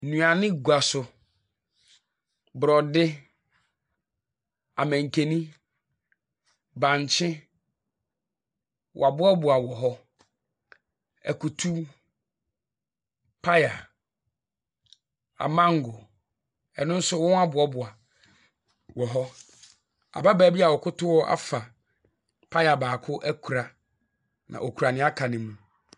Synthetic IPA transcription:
nũ˨a˨nɪ̃˦ɡu˨a˨sʊ˨ | bʊ˨ɾɔ˨dɪ˦ | a̰˨mɛ̃˨ŋ˨kʰe˨nĩ˦ | bã˨ɲ˨t͡ɕʰɪ̃˦ | wʔa˨bʊ˦ɔ˦bʊ˨a˨wɔ˨ɦɔ˦ | ɛ̰˨ku˨tʰu˦ | pʰa˦ja˨ | a̰˨mã˦ŋ˦ɡʊ˨ | ɛ˨nʊ̃˦n̩˦sʊ˦wɔ̃˦na˦bʊ˨ɔ˦bʊ˨a˨ | wɔ˨ɦɔ˦ | a̰˨ba˦bæː˨bi˦a˨wɔ˨kʰʊ˦tʰʊ˦wɔ˦ʔa̰˨fa˨ | pʰa˦ja˨baː˨kʰʊ˦ʔæ˦kʰu˨ɾa˨ | nã̰˨ʔɔ˨kʰu˨ɾa˨nɪ̃˦a˦kʰã˨nɪ̃˨mũ˦

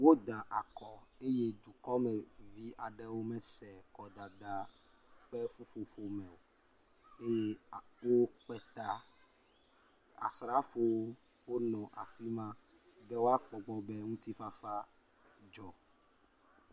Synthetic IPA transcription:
wo˦ɖ̪a˨ʔa˨kɔ˨e˦je˦d̪u˨kɔ˦mɛ˨vi˦a˨ɖɛ˦wo˦mɛ˦sɛ˨kɔ˨d̪a˨da˨ | k͡pɛ˦ɸu˦ɸo˨ɸo˦mɛ̃˨o˨ | e˦je˦wo˦k͡pɛ˨t̪a˦ | a̰˨sɾa˦fo˦wo˦ | wo˦nɔ̃˨ʔa˨fi˦mã˦ | bɛ˦wo˦a˦k͡pɔ˨ɡ͡bɔ˨bɛ˦ŋũ˦t̪i˦fa˦fa˦ | d͡ʒɔ˨

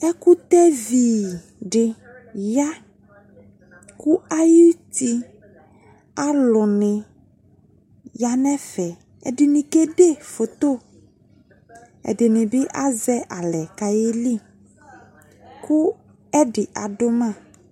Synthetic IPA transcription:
ɛ˦ku˦t̪ɛ˦viː˨ | ɖɪ˨ | ja˦ | ku˦a˦ji˦t̪i˦ | a˦lɔ˨nɪ̃˨ | ja˦nɛ̃˦fɛ˨ | ɛ̰˨ɖɪ˨nĩ˨ke˦ɖe˦˨fo˨t̪o˦˨ | ɛ̰˨dɪ˨nɪ̃˨bɪ˦ʔa˦zɛ˦ʔa˨lɛ˨ka˨je˦li˦˨ | kʊ˦ | ɛ˦ɖɪ˨ʔa˨dʊ˦mã˦˨

